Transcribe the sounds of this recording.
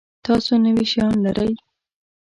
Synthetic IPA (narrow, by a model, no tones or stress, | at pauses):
t̪ɑsonəwiʃjɑnlaɾʔəj